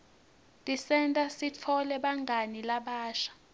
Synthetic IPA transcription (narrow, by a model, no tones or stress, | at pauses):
tʼisɛntʼasit͡fʰɔlɛɓaŋɡʱanilaɓaːʃḁ